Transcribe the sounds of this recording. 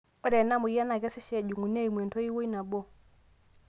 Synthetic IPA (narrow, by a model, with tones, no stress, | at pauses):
o˦ɾɛ˨na˦mu˨ja˦na˨ɡɛ˦sɪ˦ʃɛ˨d͡ʒu˨ŋu˨ne˦i˨mwe˨nto˦i˦wo˦i˦na˨bo˦˨